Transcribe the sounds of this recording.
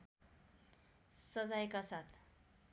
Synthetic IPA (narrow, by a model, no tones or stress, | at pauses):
sʌd͡zajkasat̪ʰ